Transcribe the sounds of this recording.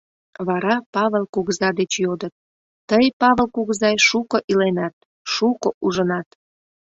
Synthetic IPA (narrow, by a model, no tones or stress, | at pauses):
βɑɾɑpɑβəlkuɣzɑd̪et͡ɕjod̪ət̪̚ː | əjpɑβəlkuɣzɑjʃukəʔilenɑt̪̚ | ʃukoʔuʒənɑt̪